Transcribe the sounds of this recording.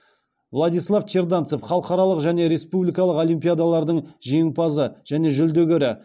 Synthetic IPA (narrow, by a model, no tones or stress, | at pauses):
vlˠad̪ijslˠaft͡ʃeɾd̪ant̪so̞fχɑlˠəqɑɾɑlˠəqʒæne̞ɾe̞spublʲijkɑlˠəqo̞lijmpʲijad̪alˠɑɾd̪əɴʒieŋpɑzəʒ̥æne̞ʒʏld̪eɡʲeɾɪ